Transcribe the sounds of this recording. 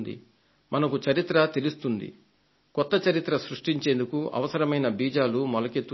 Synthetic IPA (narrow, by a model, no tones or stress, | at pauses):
d̪ḭ | mɐnɐkut͡ʃɐɾit̪ɾɐt̪elust̪und̪ḭ | kɔt̪ːɐt͡ʃɐɾit̪ɾɐsɾuʂʈiɲt͡ʃe̞ːnd̪ukuɐ̰ʋɐsɐɾɐmɐjnɐbiːd͡ʒaːlumɔlɐke̞t̪ːu